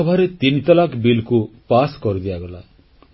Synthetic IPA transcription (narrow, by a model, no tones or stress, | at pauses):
ɔbʱaɾet̪init̪ɔlakʰbilkupaskɔɾid̪iaɡɔla̰